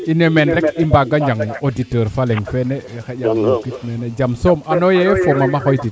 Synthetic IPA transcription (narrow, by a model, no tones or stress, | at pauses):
inemɛnɾɛkimbaɡaɲd͡ʒaŋoditəɾfalɛŋfɛnɛxɛɟamkitmenɛd͡ʒamsomanɔjɛfomamaxɔjtit